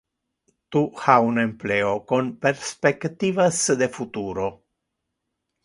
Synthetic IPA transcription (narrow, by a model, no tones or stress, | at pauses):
t̪uhaunempleokonpeɾspekt̪ivasd̪efut̪uɾo